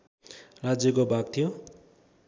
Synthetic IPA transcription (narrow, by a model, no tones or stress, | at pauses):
rad͡zjʌkobʱaɡ̚t̪ʰijo